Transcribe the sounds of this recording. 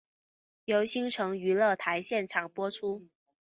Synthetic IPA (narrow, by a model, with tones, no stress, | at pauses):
jo˧˥ʊɕi˥ŋʈ͡ʂʰɤ˧˥ŋy˧˥lɤ˥˩t̪ʰa˧˥ɪɕjɛ˥˩nʈ͡ʂʰɑ˨˩ŋpwɔ˥ʈ͡ʂʰu˥